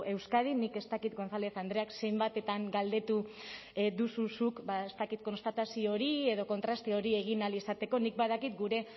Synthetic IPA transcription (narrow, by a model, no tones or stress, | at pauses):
e̞wskað̞inike̞st̪akit̪ɡo̞nθale̞θand̪ɾe̞akse̞jmbat̪e̞t̪aŋɡald̪e̞t̪u | ðususukbaest̪akit̪̚ko̞nst̪at̪asio̞ɾie̞ð̞o̞ko̞nt̪ɾast̪eoɾie̞ɣ̞inalisat̪e̞ko̞nik̚baðakit̪ɡuɾe̞